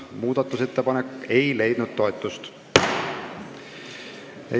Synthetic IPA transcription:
muːd̪̥ɑt̪ːˑuse̞t̪ːe̞pɑnekːe̞jle̞jd̪̥nud̪̥̚t̪o̞et̪ːˑust̪ | ḛ

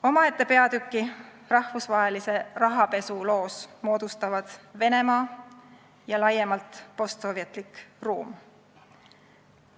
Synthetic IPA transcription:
o̞mɑe̞t̪ːˑe̞pe̞ɑd̪̥ykˑːi | rɑhvusvɑɦe̞lise̞rɑɦɑpe̞sulo̞ːsmo̞ːd̪̥ust̪ɑvɑd̪̥ve̞ne̞mɑː | jɑlɑje̞mɑlt̪po̞st̪so̞ːviɑt̪ˑlikruːm

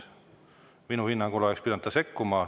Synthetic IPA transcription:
minuhinːɑŋɡulɑekspid̪ɑnt̪ːɑse̞kːumɑ

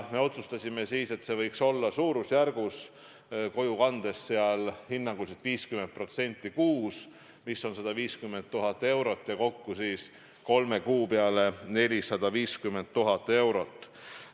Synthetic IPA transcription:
me̞o̞t̪sust̪ɑsʲimesiːse̞t̪se̞vɤjkso̞lːɑsuːɾusjærɡ̥us | ko̞jukɑnd̪̥e̞sːeɑlhinːɑŋɡ̥uset̪viːskyment̪̚pro̞t̪se̞nʲt̪ːˑikuːs | misːo̞nsɑd̪ɑviːskymːe̞nt̪ːuɦɑt̪ːˑe̞wɾo̞t̪ːˑjɑko̞kːusiːs | ko̞lme̞kuːpe̞ɑle̞ne̞lʲisɑd̪̥ɑviːskymːe̞nt̪ːuɦɑt̪ːˑe̞wɾo̞t̪ːˑ

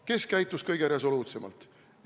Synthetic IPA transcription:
ke̞skæjt̪ːˑuskɤjɡ̥e̞ɾe̞so̞luːt̪se̞mɑ̰lt̪ˑ

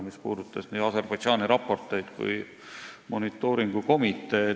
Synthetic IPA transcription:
mispuːd̪ut̪ˑːɑsni̥ːɑserb̥ɑjd̪ʒɑːniɾɑpːˑo̞rt̪ːˑejt̪kṵj | mo̞nit̪ːˑo̞ːɾiŋɡ̥uko̞mit̪ːˑe̞ː

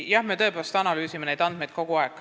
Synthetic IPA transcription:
jɑhme̞ːt̪ɤ̞epelst̪ɑnɑlyːsimene̞jd̪̥ɑnd̪̥me̞jd̪̥̚ko̞ɡ̥uɑekːˑ

